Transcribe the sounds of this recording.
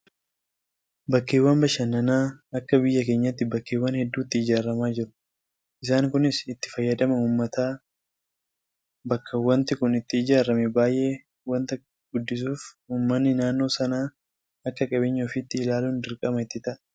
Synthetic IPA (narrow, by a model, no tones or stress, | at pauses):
bɐkːeːwːɐnbɐʃɐnːɐnaːɐkːɐbɪjːɐk̬e̞ːɲːɐt̪ːɪbɐkːeːwːɐnhɛd̪ːuːɪt̪ːɪːd͡ʒaːɾːɐmaːd͡ʒɪɾʊ̥ | ʔɪs̬aːŋkʊnɪsɪt̪ːɪ̥fɐjːɐd̪ɐmɐuːmːɐt̪aː | bɐkʰːɐwɐnt̪ɪkʊnɪt̪ːɪːd͡ʒaːɾɐmɛbaːjʔe̞ː | wɐnt̪ɐ | ɡ̥ʊd̪ːɪs̬uːf | uːmːɐnːɪnaːnːo̞ːsɐnaː | ɐkːɐkʼɐbɪɲːɐɔfɪt̪ːɪːlaːluːnd̪ɪɾkʼɐmɐɪt̪ːɪt̪ɐʔɐ